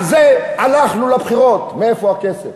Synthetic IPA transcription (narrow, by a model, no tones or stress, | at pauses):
zeanaχnulabχiʁo̞t̪meefoakesef